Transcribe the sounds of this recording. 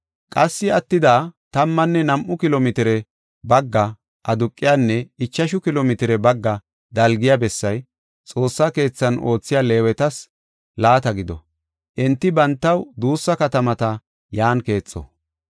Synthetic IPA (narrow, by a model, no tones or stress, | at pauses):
kʼɐsːɪɐt̪ːɪd̪aːt̪ɐmːɐnːɛnɐmʔʊkɪlomɪt̪ɪɾɛ | bɐɡːɐ | ʔɐd̪ʊkʼːɪjaːnːɛɪt͡ʃːɐʃʊkɪlomɪt̪ɪɾɛbɐɡːɐ | d̪ɐlɡɪjabɛsːɐj | t͡sʼo̞ːsːɐke̞ːt͡sːɐno̞ːt͡sːɪjaːle̞ːwɛt̪ɐs | laːt̪ɐɡɪd̪ɔ̰ | ʔɛnt̪ːɪbɐnt̪ːɐwd̪uːsːɐkɐt̪ɐmɐt̪ɐ | jaːnke̞ːt͡sʼːɔ̰